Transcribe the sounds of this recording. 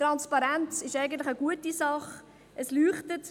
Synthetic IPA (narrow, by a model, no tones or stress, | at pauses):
tɾɑnspɑɾɛnt͡sɪʃæɪɡən̩tlɪχəɡuətisɑχ | ʔəslyːχtət